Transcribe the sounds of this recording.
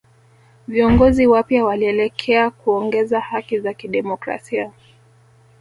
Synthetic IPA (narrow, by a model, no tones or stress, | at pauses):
viɔŋɡɔziwapjawaliɛlɛkʰɛakuɔŋɡɛzahakizakiɗɛmɔkɾa̰sia